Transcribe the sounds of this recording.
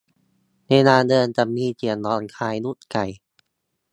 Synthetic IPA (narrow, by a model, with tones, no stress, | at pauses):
na˧˩naː˧ndɤː˧nt͡ɕa˨˩mːiː˧t͡ɕi˨˩əndɔː˧˩nkʰaː˧jnu˦˥˩t̪̚ka˨˩j